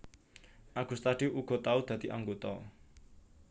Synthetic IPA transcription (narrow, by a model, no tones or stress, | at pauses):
ʔaɡ̥ṳst̪aɖ̥iʔuɡ̥ɔ̤t̪aud̪̥ä̤d̪̥iʔaŋɡot̪ɔ